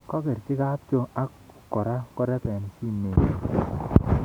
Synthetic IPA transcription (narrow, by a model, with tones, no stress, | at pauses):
kɔ˦ke˨ɾt͡ʃɪ˦ka˦p̚t͡ʃo˦a˦kkːɔ˨ɾa˦kɔ˦ɾɛ˦pɛ˨n˨si˦me˨